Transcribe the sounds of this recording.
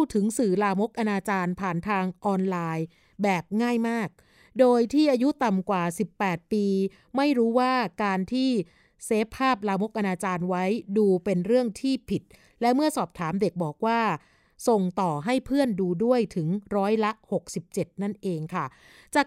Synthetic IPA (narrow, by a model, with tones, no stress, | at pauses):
t̪ʰɯ˩˦ŋsɯː˨˩laː˧mo˦˥k̚ʔa˧naː˧t͡ɕaː˧npʰaː˨˩nt̪ʰaː˧ŋʔɔː˧nlaː˧j | bɛː˨˩p̚ŋaː˥˩jmaː˥˩k̚ | doː˧jt̪ʰiː˥˩ʔaː˧ju˦˥t̪a˨˩mkwaː˨˩si˨˩pːɛː˨˩t̪̚piː˧ | ma˥˩jɾuː˦˥waː˥˩kaː˧nt̪ʰiː˥˩ | seː˦˥pʰːaː˥˩p̚laː˧mo˦˥k̚ʔa˧naː˧t͡ɕaː˧nwa˦˥jduː˧pe˧nɾɯ˥˩əŋt̪ʰiː˥˩pʰi˨˩t̪̚ | lɛ˦˥mɯ˥˩ɐsɔː˨˩p̚t̪ʰaː˩˦mde˨˩k̚bɔː˨˩k̚waː˥˩ | so˨˩ŋt̪ɔː˨˩ɦa˥˩jpʰɯ˥˩ənduː˧du˥˩əjt̪ʰɯ˩˦ŋɾɔː˦˥jla˦˥ho˨˩k̚si˨˩p̚t͡ɕe˨˩t̪̚na˥˩nʔeː˧ŋkʰa˥˩ | t͡ɕaː˨˩